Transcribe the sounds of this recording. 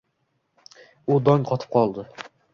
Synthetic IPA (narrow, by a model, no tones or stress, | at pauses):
ud̪ɒŋqʰɒt̪ʰɨ̥p̚qʰɒlˠd̪ɪ